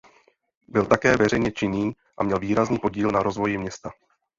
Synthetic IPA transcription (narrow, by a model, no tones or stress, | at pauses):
bɪlt̪akɛːvɛɾɛjɲɛt͡ʃɪɲiː | ʔamɲɛlviːɾazniːpo̞ɟiːlnaɾo̞zvo̞jɪmɲɛst̪a